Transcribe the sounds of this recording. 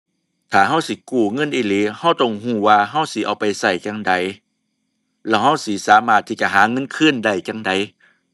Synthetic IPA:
t̪ʰaː˨˩ɦa˧˥˨wsi˨˦kuː˧˩ŋɤ˧˥˨nʔiː˧˩liː˨˦ha˧˥˩wt̪ɔ˧˨ŋhuː˧˩waː˧ɦa˧˥˩wsi˨˦ʔa˧˩wpa˧jsa˧˩jt͡ɕaː˧˩ŋda˧˩j | lɛː˧˩wɦa˧˥˩wsiː˨˦saː˨˦maː˧˩t̪ʰːiː˧˩t͡ɕa˧˨ɦaː˨˦ŋɤ˧˥˨nkʰɯ˧˥˨nda˧˩jt͡ɕa˧˩ŋda˨˦j

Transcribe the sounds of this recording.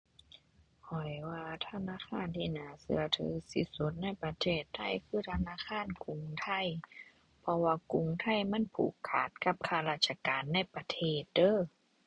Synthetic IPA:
hʰɔ˨˩jwaː˧t̪ʰa˧naː˧˥˨kʰaː˧˥˨nt̪ʰiː˧˨naː˨˦sɯ˧˦ɐt̪ʰɯː˨˦si˧˦su˧˦t̪̚na˧˥˩jpa˧t̪ʰeː˧˩t̪ʰːa˧˩˨jkʰɯː˧˥˨t̪ʰa˧naː˧˥˨kʰaː˧˥˨nku˨˧˦ŋt̪ʰa˧˥˩j | pʰɔ˧waː˧ku˧˦ŋt̪ʰa˧˥˩jma˧˥˨npʰṵː˨˩kʰːa̰ː˨˩t̪̚ka˧˥p̚kʰaː˧˩laː˧˩sa˧kaː˨nːa˧˥˨jpa˧t̪ʰeː˧˩t̪̚dɤː˧˥˨

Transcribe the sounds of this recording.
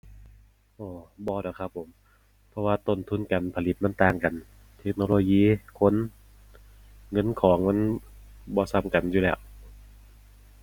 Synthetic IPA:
ʔɔː˨˧˩bɔː˧˦ɾɔ˨˩˦kʰa˧pʰːo˩˦m | pʰɔ˧waː˧t̪o˧˨nt̪ʰu˧˥˨nka˨npʰa˧li˨˧˦t̪̚ma˧˥nt̪aː˧ŋka˨˩n | t̪ʰe˦˥k̚noː˧loː˧jiː˧˥˨kʰo˧˥˨n | ŋɤ˧˥˨nkʰɔː˩˦ŋma˧˥˨n | bɔː˧sa˧˨mka˨˩njuː˧lɛː˧˩w

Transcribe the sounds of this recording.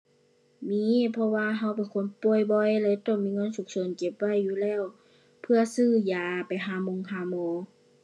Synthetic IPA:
miː˧˥pʰɔ˧waː˧ɦa˧˥wpe˨nkʰo˧˥npo˧˩ə˨jbɔ˧jlɛ˧˨t̪ɔ˧˨ŋmiː˧˨ŋɤː˧˥˨nsu˧˦ŋ̚so˧˨nt͡ɕe˧˦p̚wa˧˥˨jːuː˧˨lɛː˧˥˨w | pʰɯ˧ɐsɯː˧˩jaː˨˩pa˨jɦaː˧˨mo˧˨ŋhaː˧˩˨mɔː˧˦

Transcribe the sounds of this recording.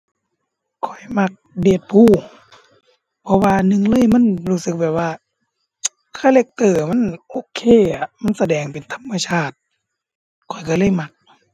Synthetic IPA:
kʰɔ˨˩jma˧k̚de˨˩t̪̚pʰuː˧˩ | pʰɔ˧waː˧nɯ˧˨ŋlɤː˧˥˨jma˧˥˨nhuː˧˩sɯ˨˧k̚bɛː˨˩p̚waː˧˩ | kʰaː˧˥˩le˧˩k̚t̪ɤː˧˩ma˧˥˨nʔoː˧˦kʰeː˧˩˨a˧˩ma˧˥˨nsa˧dɛː˨˩ŋpe˨nt̪ʰa˧˥mːa˧t͡ɕʰaː˧˥˩t̪̚ | kʰɔ˨˩jka˧˩lɤː˧˥˩jma˧k̚

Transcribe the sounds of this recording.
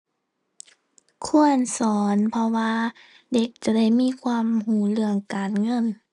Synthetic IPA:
kʰu˧˥˩ənsɔː˨˦npʰɔ˧waː˧ | de˧˦k̚t͡ɕa˨˧˩da˧˩jmiː˧˥˨kʰwaː˧˥˨mhuː˨˦lɯ˧˩əŋkaː˨˩nŋɤ˧˥˨n

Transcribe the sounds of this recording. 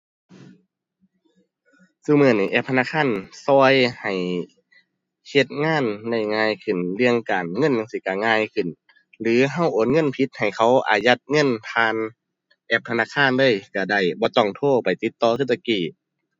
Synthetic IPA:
sɯ˧mɯ˧˥ə˨ni˧˩ʔɛː˧˩p̚t̪ʰna˧˨kʰaː˧˥˨nsɔː˧˥jha˨˩j | he˧˦t̪̚ŋaː˧˥˨nda˧˩jŋaː˧˩˨jkʰɯ˨˩nlɯ˧əŋkaː˨nŋɤ˧˥˨nja˧ŋsiː˧˩˨ka˧˩ŋaː˧˩˨jkʰɯ˧˩˨n | lɯː˨˦ɦa˧˩˨wʔoː˨˦nŋɤ˧˥˨npʰi˧˦t̪̚ha˨˩jkʰa˧˥˩wʔa̰ː˨˩ja˧˦t̪̚ŋɤ˧˥˨np̪ʰaː˧n | ʔɛː˧˩p̚t̪ʰna˧˥˨kʰaː˧˥˨ndɯ˧˥ə˨jka˧˩da˧˩jbɔː˧˦t̪ɔ˧˩ŋt̪ʰoː˧˩pa˨˩jt̪i˧˦t̪ːɔː˧˦kʰɯ˧˥˨s̬a˧kiː˧˩

